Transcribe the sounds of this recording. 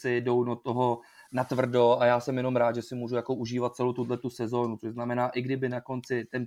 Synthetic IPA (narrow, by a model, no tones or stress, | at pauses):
sɪdo̞wdot̪oɦo̞nat̪vr̩do̞ʔajaːsɛmjɛno̞mɾaːt̪ʒɛsɪmuːʒujako̞ʔuʒiːvat̪̚t͡sɛlowt̪udlɛt̪usɛzo̞ːnut͡soʒznamɛnaːʔɪɡdɪbɪnako̞nt͡sɪt̪ɛn